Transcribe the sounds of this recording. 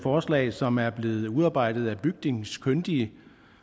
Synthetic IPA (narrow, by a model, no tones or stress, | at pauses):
fɒːslɛ̰ːsɒ̽mæɐb̥le̝ːð̞̩ˠuðˠɑ̈ːb̥ɑ̈ɪ̰d̥ð̩ˠæb̥yɡ̥̚ne̝ŋskʰønd̥iə